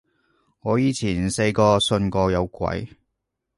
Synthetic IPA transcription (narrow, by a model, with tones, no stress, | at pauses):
ŋɔː˨˧jiː˨˧t͡sʰiː˨˩nse˧jkɔː˧sɵ˧nkɔː˧jɐ˨˧wkʷɐ̰˨˥j